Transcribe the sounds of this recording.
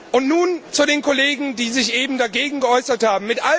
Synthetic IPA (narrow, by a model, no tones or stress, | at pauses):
ʔʊntnuːnt͡sudeːnkʰɔleːɡŋ̩diːzɪçʔeːbm̩daɡeːɡŋ̩ɡəʔɔʏsɐthaːbm̩mɪtʔa